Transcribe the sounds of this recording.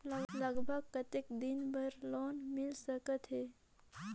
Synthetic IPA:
ləɡbʱəɡ̚kət̪ekd̪inbəɾloːnmɪlsəkət̪ɦe

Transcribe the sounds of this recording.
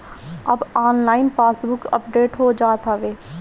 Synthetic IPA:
ɐbaːnlaːɪnpaːsbʊkə̰pɖeːʈɦoːd͡ʒaːt̪aʋeː

